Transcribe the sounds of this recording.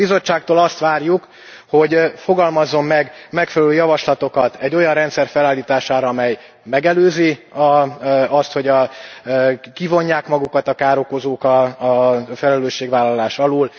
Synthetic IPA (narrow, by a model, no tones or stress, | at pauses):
bizo̞t͡ʃːaːk̚t̪oːlɒst̪ʋaːrjuk | ho̞ɟfo̞ɡɒlmɒzːo̞mːɛɡmɛkfɛlɛløːjɒvɒʃlɒt̪o̞kɒt̪ɛɟːo̞jɒrɛnt̪sɛrfɛlaːlːiːt̪aːʃaːɾɒɒmɛj | mɛɡɛløːziɒɒst̪ho̞ɟɒ | kivo̞ɲːaːkmɒɡukɒt̪ɒkaːɾo̞ko̞zoːkɒ | fɛlɛløːʃːeːɡʋaːlːɒlaːʃɒloːl